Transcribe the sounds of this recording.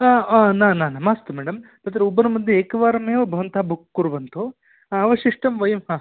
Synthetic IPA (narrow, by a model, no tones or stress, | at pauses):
anaːnaːnamaːst̪umɛːɽɐmt̪ɐt̪ɾeubːɐɾnɐmɐd̪ʱjeeːkɐʋaːɾɐmeːobʱɐʋɐnt̪aːbʱukːuɾuʋɐnt̪oː | ɐʋɐʃiʂʈɐmʋɐjɐmɦaː